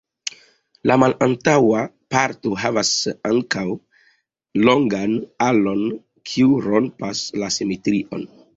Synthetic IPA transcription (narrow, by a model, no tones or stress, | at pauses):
lamalantawa | paɾto̞ɦavasaŋkaw | lo̞ŋɡanalo̞n | kʰiuɾo̞npaslasimetɾiʔo̞̰n